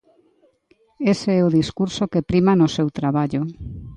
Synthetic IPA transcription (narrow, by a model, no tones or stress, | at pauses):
eseɛoðiskuɾsokepɾimanosewt̪ɾaβaʎo